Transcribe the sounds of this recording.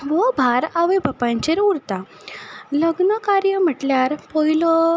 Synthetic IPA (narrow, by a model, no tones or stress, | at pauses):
ʋɔbʱaɾaʋebəpãɲt͡ɕeɾuɾt̪a | ləɡnəkaɾjəm̤əʈljaɾpɔilɔ